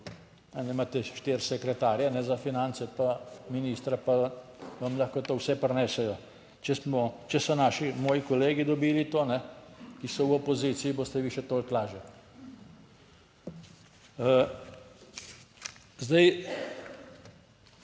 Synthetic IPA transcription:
nɛnɛmaːt̪ɛʃt̪eːɾsɛkɾɛt̪aːɾjanɛzafinansɛpaminiːst̪ɾapaʋamlaxkɔt̪oːwsɛpɾnɛːsɛjɔ | t͡ʃɛsmɔt͡ʃɛsɔnaʃimoːjikɔleːɡid̪ɔbiːlit̪oːnɛkisɔwɔpɔzit̪sijiboːst̪ɛʋiːʃɛt̪oːlklaːʒɛ | zd̪aj

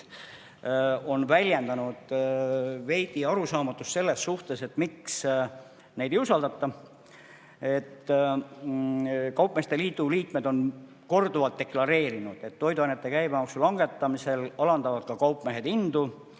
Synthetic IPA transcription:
o̞nvælʲjend̪̥ɑnud̪̥ | ve̞jd̪̥iɑɾusɑːmɑt̪ːˑust̪se̞lːe̞sːuht̪e̞se̞t̪ːˑmiks | ne̞jd̪ejusɑld̪̥ɑt̪ːˑɑ | e̞t̪ː | kɑwpːˑmest̪e̞liːd̪uliːk̪me̞d̪o̞n | ko̞rd̪̥uvɑlt̪ːe̞klɑɾe̞ːɾinud̪̥e̞t̪ːo̞jd̪uɑjnet̪ːˑe̞kæjbemɑksulɑŋɡ̥e̞t̪ːˑɑmise̞lɑlɑnd̪ɑvɑd̪̥̚kɑkɑwpːˑme̞ɦed̪ind̪u

